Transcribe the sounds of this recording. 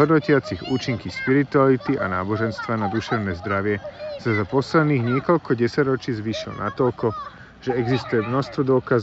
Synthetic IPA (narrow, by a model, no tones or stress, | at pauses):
ɦɔd̪nɔcɪat͡siɣuːt͡ʃiŋkiʃpiɾit̪ualit̪iʔa̰naːbɔʒɛnst̪ʋanad̪uʃɛʊnɛːzd̪ɾaʋɪɛsazapɔslɛd̪niːɣɲɪɛkɔʎkɔɟɛsaɟɾɔt͡ʃiːzʋiːʃilɔ̰nʔa̰t̪ɔʎkɔ | ʒ̥ɛɛɡzist̪ujɛmnɔst̪ʋɔd̪ʊɔkaz